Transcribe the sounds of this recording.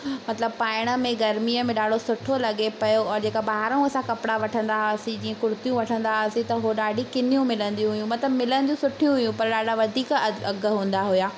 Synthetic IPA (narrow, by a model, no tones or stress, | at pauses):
mɐt̪ɪləb̚paːɪɽ̃ə̆mẽɡɐɾmijəmẽɗaːɖʱosʊʈʰolɐɡepɐjoɔːɾd͡ʑeːkabaːɦɾəũɐsãkɐpɽaʋɐʈʰə̃nd̪aɦɐsĩd͡ʑiːə̃kʊɾʊt̪ijũʋɐʈʰə̃nd̪asĩt̪ɐɦoɗaːɖʱikɪn̤ijũmɪlə̃nd̪ijũɦʊjũmɐt̪ləbmɪlə̃nd̪ijũsʊʈʰijũɦʊjũpɐɾɗaːɖaʋɐd̪ʱiːkɐɡə̆ɦũːn̆d̪aɦʊjaː